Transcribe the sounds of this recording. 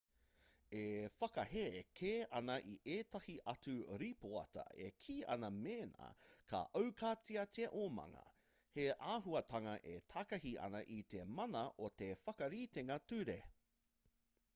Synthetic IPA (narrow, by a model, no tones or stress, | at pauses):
efɐkɐhekʰeːʔɐnɐʔiʔeːtɐhiʔɐt͡suɾipoɐ̰tɐ̰ḛkʰiːʔɐ̰nɐmeːna̰kʰɐ̰ʔɐwkʰaːt͡siɐtiɐʔomɐ̰ŋɐ̰ | heʔaːɦuɐtɐŋɐʔetʰakɐhiɐ̰nɐʔit̪emɐnɐʔot̪efɐkɐɾiːteŋɐtʉɾe